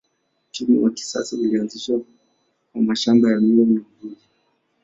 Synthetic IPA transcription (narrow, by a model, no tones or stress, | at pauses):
timṵwaki̥sa̰sailianziʃwa | kamaʃambajamilɔnaviɗi